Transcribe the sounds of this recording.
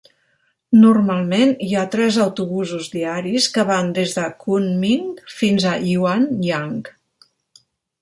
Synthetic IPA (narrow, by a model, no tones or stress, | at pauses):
nurmalˠmeniat̪ɾɛzəwt̪uβuzuzðiaɾiskəβand̪ezðəkunmiŋfinzəʔiwanjaŋk